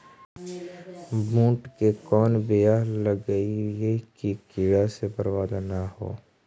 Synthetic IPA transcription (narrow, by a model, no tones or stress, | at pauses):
bʱũːʈkekɔːnbejaləɡəiekikɪɽasepəɾwaːd̪anaɦo̰ː